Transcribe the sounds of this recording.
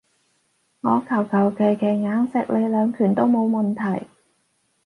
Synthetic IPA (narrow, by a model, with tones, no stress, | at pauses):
ŋɔː˨˧kʰɐ˨˩wkʰɐ˨˩wke˨˩jkʰe˨˩jŋaː˨˥ŋsɪ˨˥k̚lʔe˨˧lœː˨˧ŋkʰyː˨˩nt̪o˥wmo˨˧wmɐ˨nt̪ʰɐ˨˩j